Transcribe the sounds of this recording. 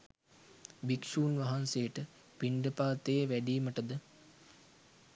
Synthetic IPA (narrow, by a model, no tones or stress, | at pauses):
bikʂuːnʋɐɦansejəʈə | piɳɖəpaːt̪ejʋæɖiːməʈəd̪ə